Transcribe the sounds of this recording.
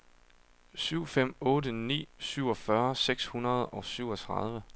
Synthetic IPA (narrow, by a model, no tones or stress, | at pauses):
syʊ̰fem̰ɔ̽ːdənḭːsyʊɒ̽fɶɐseɡ̥shunɐð̞̩ˠɒ̽syʊ̰ɒt͡sʰʁɑð̞ˠʋə